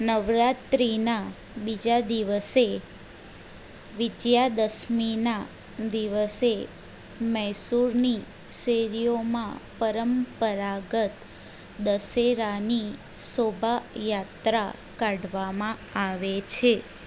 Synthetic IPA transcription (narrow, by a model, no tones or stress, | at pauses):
nəʋɾat̪ɾina | bid͡ʒad̪iʋəse | ʋɪd̪jad̪əsmina | d̪iʋəse | mɛɦsuɾni | seɾijomãpəɾəmpəɾaɡət̪ | d̪əseɾani | sobʱajat̪ɾa̰ | kaɽʋamãaʋet͡ʃʰe